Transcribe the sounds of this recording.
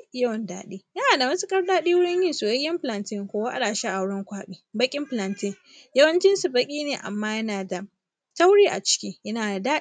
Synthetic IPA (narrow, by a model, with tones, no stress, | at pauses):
ɐ˦wɔ˨nda̰ː˦ɗiː˦jɐ˦naː˨da˨mɐ˦su˦kʼɐ˦ɽdaː˦ɗiː˦wʊ˦ɽɪ˦ɲjɪ˦nsu˨jɐ˦ɡʲɪ˦mɸɪ˨lɐ˨ntɪ˦˨ŋkʷoː˦wa˦ʔa̰˦ɗaː˨ʃa˦ʔa˨wɽɔ˦ŋkʷaː˦ɓiː˦bɐ˦kʲʼɪ˦mɸlɐ˨ntɪ˦ŋ | jɐ˦wɐ˦nt͡ʃɪ˦nsu˨bɐ˦kʲʼiː˦neː˨ʔa̰˨mːaː˦jɐ˦naː˨da˨ | ta˦wɽiː˦ʔa̰˨t͡ʃɪ̥˦kʲiː˦jɐ˦naː˨daː˦